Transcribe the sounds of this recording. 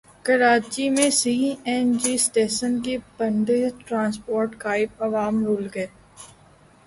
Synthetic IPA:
kɐɾaːt͡ʃimẽsiːɛnd͡ʒiːsʈeːʃənk̬ibɐ̃ɳɖeʈɾãːnspoːɾʈkaːɪbɐʋaːmɾuːlɡɐeː

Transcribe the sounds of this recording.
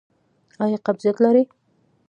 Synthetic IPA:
ɑjɑqabzijat̪laɾi

